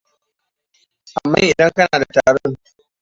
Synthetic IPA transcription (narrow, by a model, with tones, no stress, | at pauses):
ʔa˨mːa̰ː˦ʔɪ˨dɐ˦ŋkɐ˦naː˨da˨taː˨ɽɔ˦ŋ